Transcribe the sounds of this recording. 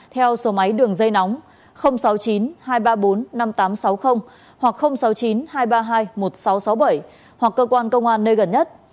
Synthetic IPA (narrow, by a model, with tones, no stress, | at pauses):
t̪ʰɛ˧wso˨˦ma˨˦jɗɨ˨˩əŋzə˧jnɔ˨˦wŋ͡m | xə˧wŋ͡msa˨˦wt͡ɕi˨˦nhaː˧jɓaː˧ɓo˨˦nːa˧mt̪aː˨˦msa˨˦wxə˧wŋ͡m | hwa˨˩k̚xə˧wŋ͡msa˨˦wt͡ɕi˨˦nɦaː˧jɓaː˧ɦaː˧jmo˨˩t̚sa˨˦wsa˨˦wɓə˧˩j | hwa˨˩kːəː˧kwaː˧nkə˧wŋ͡mʔaː˧nːəː˧jɣə˨˩nɲə˦˥t̚